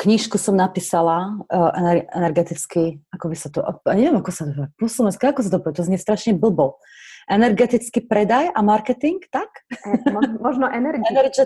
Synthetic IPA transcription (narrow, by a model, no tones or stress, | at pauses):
kɲiʃkusɔmnapiːsalaʔɛnɛɾɛ̰nɛɾɡɛt̪it͡skiakɔbisat̪ɔʔɔjaɲɛviɛmakɔsat̪ɔɦapɔslɔmɛnskaakɔs̬at̪ɔɔpɔʋɛt̪ɔzmiɛst̪ɾaʃɲɛbl̩bɔ | ʔɛnɛɾɡɛt̪it͡skipɾɛd̪ajamaɾkɛt̪iŋkt̪ak | mɔʒnɔʔɛnɛɾɡɛnɛɾt͡ʃɛ